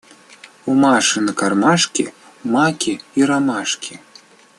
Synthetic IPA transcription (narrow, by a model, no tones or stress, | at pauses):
umɑʂɨnəkɑrmɑʃkʲi | mɑkʲʰiiɾɑmɑʃkʲʰi